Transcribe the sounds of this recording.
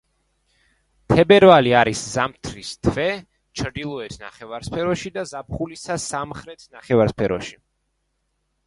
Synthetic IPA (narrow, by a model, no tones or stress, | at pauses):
t̪ʰɛbɛɾvaliaɾiszamt̪ʰɾist̪ʰvɛ | t͡ʃʰɾd̪ilˠɔɛt̪ʰna̰χɛvaɾspʰɛɾɔʃid̪azap̚χulisasamχɾɛt̪ʰnaχɛvaɾspʰɛɾɔ̰ʃi